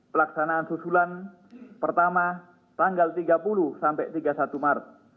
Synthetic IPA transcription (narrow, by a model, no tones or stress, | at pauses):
pəlaksanaːnsusulan | pərt̪ama | t̪aŋɡalt̪iɡapulusampɛʔt̪iɡasat̪umart̪̚